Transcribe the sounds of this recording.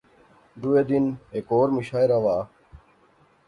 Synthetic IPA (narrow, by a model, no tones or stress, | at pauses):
ɖ̪ueːd̪inɦekoːɾmiɕaːiɾaʋaː